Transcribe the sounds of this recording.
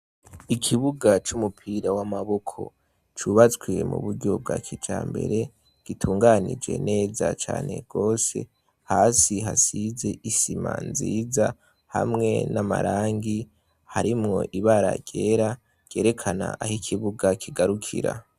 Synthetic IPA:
ikʰiβuɡat͡ʃumupʰiːɾawamaβo̞kʰo̞̰ | t͡ʃuβat͡sɡwemṵβuɾɟo̞b̚ɡa̰kʰid͡ʒaːmbe̞̰ɾe̞ | ɡ̥itʰuːŋɡanḭd͡ʒɡe̞̰ne̞ːzat͡ʃa̰ːne̞̰ɡ̥o̞ːse̞̰ | haːsiɦasize̞ʔisimanziːza | hamŋe̞nama̰ɾaːŋɡi | haɾimŋo̞̰ʔiβaɾa̰ɟ̥e̞ːɾa | ɟ̥e̞ːɾe̞kʰana̰ʔahikʰiβuɡakʰiɡaɾukʰiɾa

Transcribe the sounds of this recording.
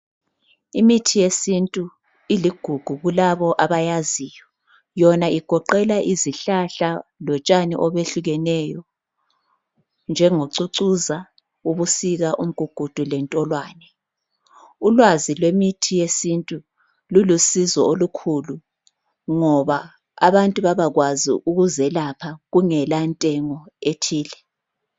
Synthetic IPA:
imitʰijesintʼu | iliɡ̥ʱuɡ̥ʱuɣulaβɔʔaβajazijɔ | jɔnaiɡ̥ʱɔǃɛlaʔiziɬaɬalɔt͡ʃʼanḭʔɔβeɬuɣɛnɛjɔ | nd͡ʒʱɛŋoǀuǀuza | uβusiɣaʔum̩ɡ̥ʱuɡ̥ʱud̥ʱulɛntʼɔlwaːnɛ | ulwazilwemitʰijesintʼu | lulusizɔolukʰuːlu | ŋɔβa | a̰βantʼuβaβaɣwazḭuɣuzɛlapʰaɣuŋɛlantʼɛŋɔetʰiːlɛ

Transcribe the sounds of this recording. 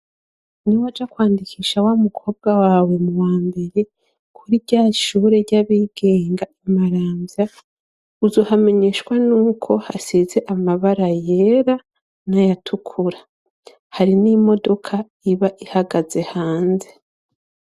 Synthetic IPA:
niwad͡ʒakwaːndikʰiːʃawamukʰo̞ːb̚ɡawaːwe̞muwaːmbe̞ɾe̞ | kʰuɾiɟaːʃuːɾe̞ɾɟaβiɡ̥e̞ːŋɡaʔimaɾaːmbja | uzoːhame̞ɲe̞ːʃwanuːkʰo̞hasize̞ʔamaβaɾaje̞ɾa | najatʰukʰuɾa | haɾinimo̞do̞kʰa | iβaʔihaɡaze̞haːnze

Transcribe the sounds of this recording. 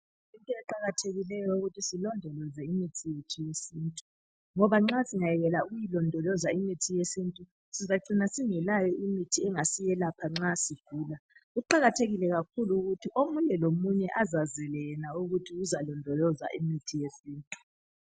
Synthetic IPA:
intʼɔɛǃaɣatʰeɣilɛjɔuɣutʰisilɔndʱɔlɔzɛimitʰijetʰujesiːntʼu̥ | ŋɔβaŋ͡ǁasiŋajɛɣɛlauɣujilɔndʱɔlɔzaimitʰijesintʼu | sizaǀʱinasiŋɛlajɔʔimitʰiɛŋasijɛlapʰaŋ͡ǁasiɡ̥ʱuːlaɣuǃaɣatʰeɣilɛɣakʰuluuɣutʰiʔomuɲɛlomuɲɛʔazazɛlɛnauɣutʰiuzalɔndʱɔlɔza̰ʔimitʰijesiːntʼu̥

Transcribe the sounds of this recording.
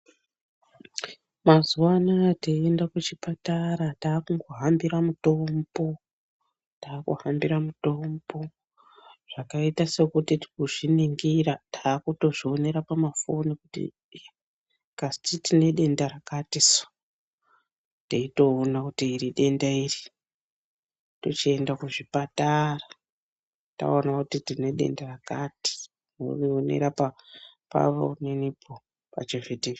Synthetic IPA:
mazuwanateiendakut͡ʃipataɾataːkuŋɡoɦambiɾamuto̞mbo̞ | taːkṵhambiɾamuto̞mbo̞ | ʐ̥akaitasekutiti̥kuʐiniŋɡiratʰaːkuto̞ʐio̞ne̞ɾapamafo̞nikutḭ | kasi̥titine̞ɗe̞ndaɾakatiso̥ | teito̞ːnakutiːɾiɗe̞ndairi | tot͡ʃie̞ndakuʐipatara | ta̰onakutitine̞ɗe̞̰ndarakati̥ | no̰rionḛɾapa | pa̰ʋo̰unenipo | pa̰t͡ʃevete

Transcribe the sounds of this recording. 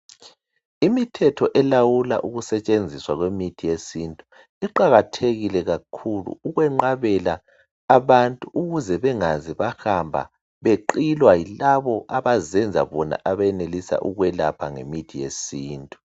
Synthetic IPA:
imitʰɛtʰɔʔɛlawula̰ʔuɣusɛt͡ʃʼend͡zʱiswaɣwemitʰijesintʼu | iǃaɣatʰeɣilɛɣakʰulṵuɣwɛŋ͡ǃaβɛlaː | βantʼuʔuɣuzɛβɛŋaziβahambʱa̰ | βeǃilwailaβɔʔaβazɛnd͡zʱa̰βɔna̰ʔaβajɛnelisa̰ʔuɣwɛlapʰaŋḛmitʰijḛsiːntʼu̥

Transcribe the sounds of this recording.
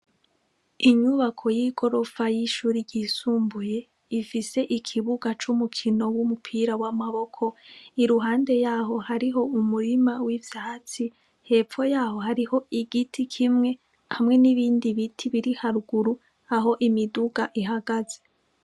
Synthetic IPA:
iɲuβakʰo̞jiɡo̞ɾo̞fajiʃuːɾiɟisuːmbuje̞ | ifise̞ʔikʰiβuɡat͡ʃumukʰino̞wumupʰiɾawamaβo̞kʰo̞iɾuɦaːnde̞jaːɦo̞haɾiɦo̞umuɾimawivjaːt͡si | he̞ːp͡fo̞jaːho̞ɦaɾiho̞iɡitʰikʰimŋe̞ | hamŋe̞niβiːndiβitʰiβiɾihaɾuɡuɾu | aɦo̞ʔimiduɡ̥aʔiɦaɡaze̞

